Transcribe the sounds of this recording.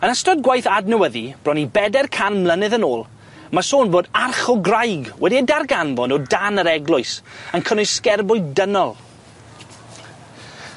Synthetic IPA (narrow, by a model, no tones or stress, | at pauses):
ənastɔdɡwajθadnəwəðib̥rɔnibɛdɛrkʰanmlˠənɨðənoːlˠ | masoːnboːdarχɔɡrajɡwɛdiədarɡanvɔndɔdanəɾɛɡlˠʊɨsənkʰənʊskɛrbʊɨdənɔlˠ